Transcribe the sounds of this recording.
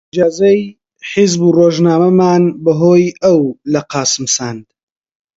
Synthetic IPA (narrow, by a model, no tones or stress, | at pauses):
d͡ʒaːzɐj | ħɪzbuːroːʒnaːmɐmaːnbɐɦoːjɐwlɐqɑːsɨmsaːnd̪